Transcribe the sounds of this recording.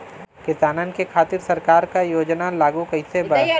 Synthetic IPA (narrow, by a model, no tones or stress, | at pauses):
kɪsaːnənɪ̆kekʰaːt̪ɪɾsɐɾkaːɾkajoːd͡ʒnalaːɡukəɪsebə